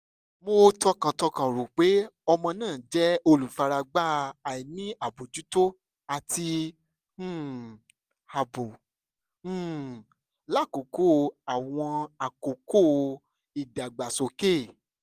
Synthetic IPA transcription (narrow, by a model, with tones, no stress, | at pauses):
mo˧˦tɔ˦kã˧tɔ˧kã˨ɾu˨k͡pe˨˦ɔ˧mɔ̃˧nãː˦˨d͡ʒɛ˦o˧lu˨fa˧ɾa˧ɡ͡ba˦˧a˨i˨nĩ˦a˨bo˨d͡ʒu˨˦to˦ | a˨tĩ˧˦˨ | ha˨bõ˨˦˨ | la˦˨ko˨ko˦˨˧a˨w̃ɔ̃˧a˨ko˨ko˦˨˧ | i˨da˨ɡ͡ba˨so˨ke˦˨